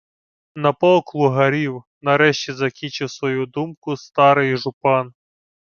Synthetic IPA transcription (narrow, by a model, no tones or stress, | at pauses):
nɐpɔlˠklˠʊɦɐɾʲiw | nɐɾɛʃt͡ʃʲizɐkʲint͡ʃɪwsʋɔjud̪umkʊst̪ɑɾɪjʒʊpɑn